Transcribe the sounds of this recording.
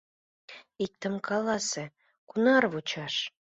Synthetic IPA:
ik̚t̪ə̆mkʰɑlɑsĕ | kunɑrβut͡ɕɑʃ

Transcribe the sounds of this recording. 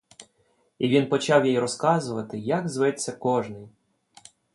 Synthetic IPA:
iʋʲinpɔt͡ʃɑwjɛjɾɔskɑzʊʋɐt̪ɪjɐɡzʋɛt͡sʲːɐkɔʒnɪj

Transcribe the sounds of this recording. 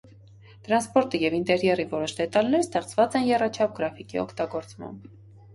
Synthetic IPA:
t̪ɾɑnspɔɾt̪ijɛvint̪ɛɾjɛrivɔɾɔʃd̪ɛt̪ɑlnɛɾəst̪ɛχt͡svɑt͡sɛnjɛrɑt͡ʃʰɑp̚ɡɾɑfikiɔ̰kʰt̪ɑɡɔɾt͡smɑ̰mb

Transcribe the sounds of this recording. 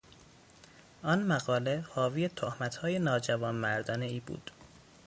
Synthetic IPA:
ʔɒnmæɣɒːle̞hɒːviːjet̪ʰohmæt̪ʰhɒːje̞nɒːd͡ʒævɒːnmæɾd̪ɒːneiːbṵːd̪̥

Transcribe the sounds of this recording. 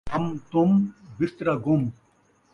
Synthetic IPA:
ɐmt̪umbist̪ɾaɡum

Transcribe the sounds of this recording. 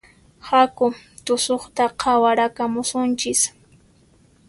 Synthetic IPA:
hakʊ | t̪ʊsoχt̪aqʰɑwaɾakamʊsʊnt͡ʃɪs

